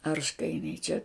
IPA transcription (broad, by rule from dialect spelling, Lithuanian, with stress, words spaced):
ˈɐrʃkɐɪnʲɛɪ t͡ʃʲɛ